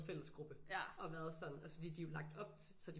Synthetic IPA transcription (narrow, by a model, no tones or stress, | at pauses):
fel̰əsɡ̥ʁub̥əɒ̽ʋæːɐðˠsɒ̽n̩æsə̥fɒ̽d̥ḭːd̥ijo̝lɑ̈ɡ̥̚d̥ɒ̽b̥̚t͡sʰsɒ̽d̥i